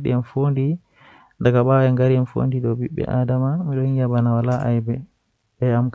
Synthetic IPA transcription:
ɗ̰ɛnfondi | ndakaɓawɛŋɡaɾiɛnfo̰ndiɗɔbiɓːɛ̰ʔaːdamamiɗɔhiabanawalaʔa̰jbɛ | ɓɛamk

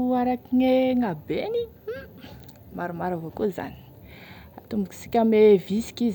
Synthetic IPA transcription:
aɾakiŋeŋabeni | maɾumaɾavokoza̰ni̥ | at̪umbiki̥si̥kʲamevisi̥kiz

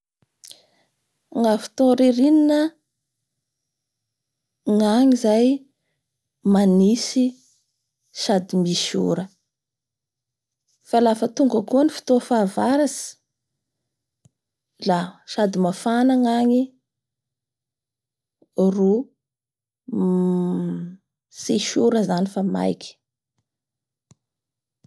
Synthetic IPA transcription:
ŋafi̥t̪oɾeɾininə | ŋaŋizaj | manisi | ʃad̪imiʃṵɾə | falafət̪uŋɡəkuanifi̥t̪ofavaɾasi̥ | laʃad̪imafanaŋaɲi | ru | siʃuɾəzanifama̰jkʲi̥

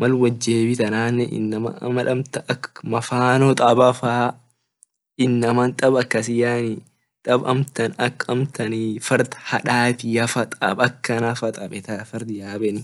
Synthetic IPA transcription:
mɐlwɐd͡ʒːeːbɪt̪ɐnaːnːɛʔɪ̰nːɐmɐ̰mɐᶑɐmt̪ɐɐkːmɐfaːnot̪ʼɐbɐfaː | ɪnːɐmɐnt̪ʼɐbɐkːɐs̬ɪjaːni | t̪ʼɐbɐ̰mt̪ɐnɐkːɐmt̪ɐnifɐɾd̪hɐᶑaːt̪ɪjɐfɐt̪ʼɐbɐkːɐnɐfɐt̪ʼɐbɛt̪ɐfɐɾd̪ɪjaːbɛn

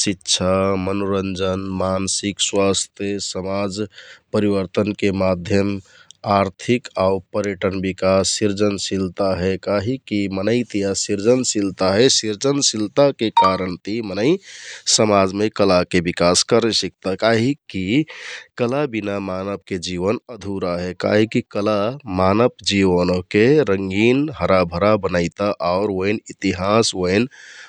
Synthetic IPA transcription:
sitːʃʰamənoɾənd͡ʒənmansikswast̪ʰjesəmad͡ʒpəɾiβəɾt̪ənkemad̪ʱjəmaɾt̪ʰikaupəɾjəʈənbikasːiɾd͡ʒənsilt̪aɦɛkaɦikimənəɪt̪ijasiɾd͡ʒənsilt̪aɦɛsiɾd͡ʒənsilt̪akekaɾənt̪imənəɪsəmad͡ʒmekəlakebikaskəɾɛsək̚t̪akaɦikikəlabinamanəp̚ked͡ʒiʋənəd̪ʱuɾaɦɛka̰ɦikikəlamanəpd͡ʒiʋənokeɾəŋɡinɦəɾabʱəɾabənaɪt̪aʔaʊɾoinit̪iɦasoin

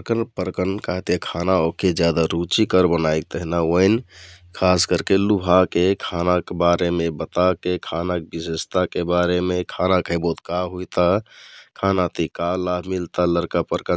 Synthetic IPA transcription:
əɾkənpəɾkənkaɦt̪ekʰanaokʰed͡ʒjad̪aɾut͡ʃikəɾbənajik̚t̪əɦinaonkʰaskəɾkelubʱakekʰanakebaɾemẽbət̪akekʰanak̚bisəst̪akebaɾemẽkʰanakʰəɪbot̪kaɦut̪akʰanat̪ikalabʱmilt̪aləɾkapəɾkə

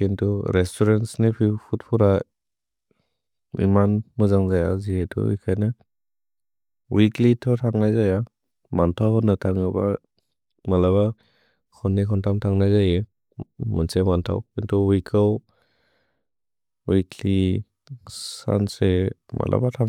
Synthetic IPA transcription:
kintʰuɾestʰɔɾensnipʰipʰut̚pʰuɾa | ḭmanmɯzaŋzajazietʰɔ̰ḭjkʰajnɯ | wiklitʰɔtʰaŋnajzaja | mantʰawhnɯtʰaŋɯba̰ | malaβa | kʰɔnːikʰɔntʰamtʰaŋnajzaje | mɯnsemantʰa̰wkintʰuwikʰaw | wikli | ssa̰nsema̰lʔa̰batʰa

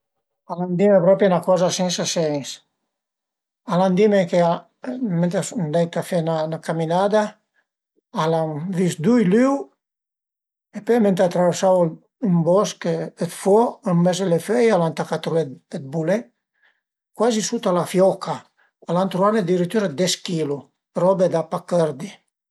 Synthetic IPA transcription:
aland̪imepɾɔpɾjanakɔzasɛnsasɛŋs | aland̪imekea | ment̪asund̪ɛjt̪afɛnanakaminad̪a | alamvisd̪ujlyw | epɛmɛnt̪at̪ɾavɛɾsawl | ymbɔskɛt̪fɔəmmɛzelefɛjalant̪akat̪ɾuɛɛt̪̚bulɛ | kwazisut̪alafjɔkʰaː | lant̪ɾuaned̪iɾit̪yɾad̪ɛskilu | ɾɔbɛd̪apakɛɾd̪i

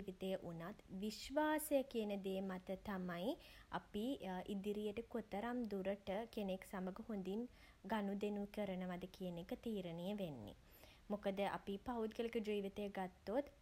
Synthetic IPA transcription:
ʋit̪ejəʔunat̪ʋiʃʋaːsejəkiənəd̪eːmat̪ət̪amaj | a̰piʔid̪iɾijəʈəkot̪əɾamd̪uɾəʈəkeneksaməɡəhond̪in | ɡanud̪enukəɾənəʋad̪əkijənekət̪iːɾənijəʋenːḭ | mokəd̪əʔa̰pipaud̪̚kəlekəd͡ʒiːʋit̪əjəɡat̪ːot̪

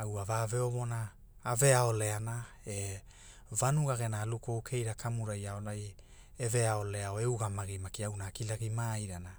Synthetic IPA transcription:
awavave̞ovo̞naː | ve̞ao̞le̞anae̞ | vanuɡaɡe̞naːlukowkʰe̞jɾakʰamuɾajaonaj | eve̞ao̞le̞aoe̞uɡamaɡimakiawnaːkilaɡimaiɾana

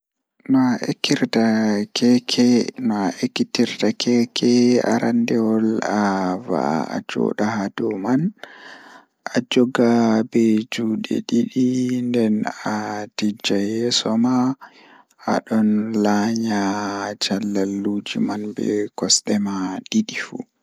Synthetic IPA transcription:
nɔaʔekːiɾtakɛkʰɛnɔaʔekːitiɾtakʰɛkʰɛa̰ɾandɛwɔlava̰ːd͡ʒɔ̰ɗahaduman | ʔad͡ʒɔɡabɛd͡ʒuːɗɛ̰ɗiɗindɛnatid͡ʒajɛsɔma | ʔa̰ɗɔnlaɲad͡ʒalːalːud͡ʒḭmanbɛ̰kɔsɗɛmaɗiɗifṵ

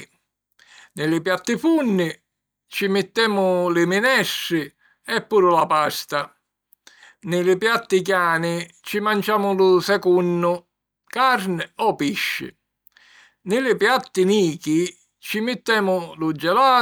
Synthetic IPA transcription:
nɪlɪpjat̪ːɪfunːɪ | t͡ʃimɪt̪ːɛːmʊlɪmɪnɛsːɪ | ɛpːuːɾʊlapast̪a | nɪlɪpjat̪ːɪk̬jaːnɪt͡ʃimant͡ʃaːmʊlʊsɛkunːʊ | kaɾnɪɔpiʃːɪ̰ | nɪlɪpjat̪ːɪniːki | t͡ʃimɪt̪ːɛːmʊlʊd͡ʒːɛlaː

